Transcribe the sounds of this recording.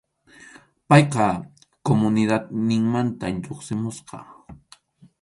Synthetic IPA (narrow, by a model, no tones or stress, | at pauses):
pɑjqɑ | komʊnɪd̪at̪nɪŋmant̪anʎoχsɪmʊsqɑ̰